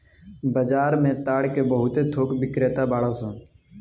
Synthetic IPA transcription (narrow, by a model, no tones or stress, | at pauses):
bəd͡ʒaːɾmẽːt̪aːɽkeːbəɦʊt̪eːt̪ʰoːkbɪkɾeːt̪aːbaːɽaːsõː